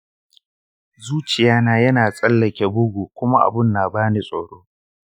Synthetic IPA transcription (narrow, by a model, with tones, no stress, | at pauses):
zuː˦t͡ʃɪ˨jaː˦naː˨jɐ˦naː˨sʼɐ˦lːɐ˨kʲe˨bʊ˦ɡʷuː˨kʷʊ˦ma˦ʔa̰˨bɪ˦˨nːaː˨baː˦ni˨sʼoː˨ɽoː˦